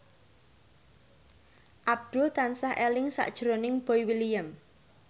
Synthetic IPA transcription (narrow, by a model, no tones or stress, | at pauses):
ʔab̚d̪̥ʊlt̪ansahelɪŋsa̰ʔd̥ʒ̥ɾonɪŋb̥ɔjwilijəm